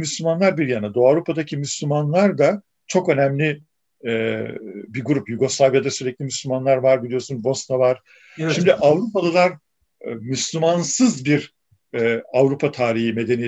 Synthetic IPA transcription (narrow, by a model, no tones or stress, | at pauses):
myslʲymanlˠaɾbiɾjanad̪oavɾupʰad̪acʰimyslʲymanlˠaɾd̪a | t͡ʃʰo̞kø̞næmlʲi | ɛ | biɾɡuɾupjuɡo̞slˠavjad̪asyɾɛclʲimyslʲymanlˠaɾvaɾbilʲijo̞ɾsunbo̞snavaɾ̥ | ʃimd̪iʔavɾupalˠɯlˠaɾ | myslʲymansɯzbiɾ | ɛavɾupʰat̪ʰaːɾiɦime̞d̪e̞ni